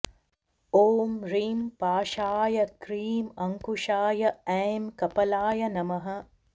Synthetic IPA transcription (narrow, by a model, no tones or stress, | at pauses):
oːmɾiːmpaːʃaːjɐkɾiːmɐŋkuʃaːjɐeːmkɐpɐlaːjɐnɐmɐɦɐ̆